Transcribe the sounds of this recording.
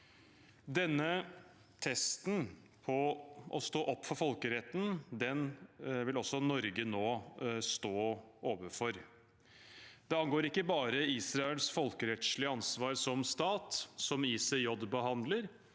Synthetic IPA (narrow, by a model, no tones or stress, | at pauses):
d̪ɛnːə | t̪ʰɛst̪n | pʰɔʔɔ̰st̪oːʔɔpːfɔɾfɔlkəɾɛt̪ːn̩d̪ɛnʋɪlɔsːɔnɔɾɡənoːst̪oːʔoːʋəfɔɾ | d̪̥ɛɑnɡoːɾɪkːəbɑːɾəiːsɾɑɛlsfɔlkəɾɛt̪ʂɭɪəɑnsʋɑːɾsɔmst̪ɑːt̪sɔmiːsəjɔbbəɦɑnd̪ləɾ